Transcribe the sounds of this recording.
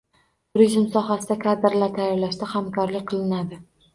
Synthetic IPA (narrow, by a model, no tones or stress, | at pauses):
ɾeʒɪmsɒɦasɪd̪akʰad̪ɪɾlaɾt̪ʰajːɒɾlaʃt̪ahamkʰɒɾlɪkʲqʰɨlˠɪnad̪ɪ